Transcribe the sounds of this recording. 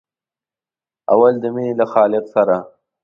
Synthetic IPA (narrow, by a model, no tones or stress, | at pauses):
a̰wald̪əminelaxɑːlɪqsaɾa